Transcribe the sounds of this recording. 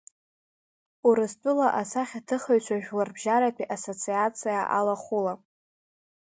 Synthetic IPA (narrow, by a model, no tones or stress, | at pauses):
uɾɨstʼʊlaʔasaχʲatʰɨχaɥt͡ʃʷʰaʒᶣlarbʒaɾapʰiʔaso̞t͡sʰiat͡sʰijaʔa̰laχula